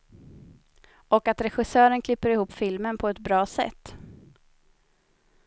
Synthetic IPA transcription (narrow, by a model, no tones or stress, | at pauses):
ɔkat̪ɾɛɧɪsœːɾənkʰlɪpːəɾɪhuːpːfɪlmənpʰɔɛt̪bɾɑːsɛ̰t̪ː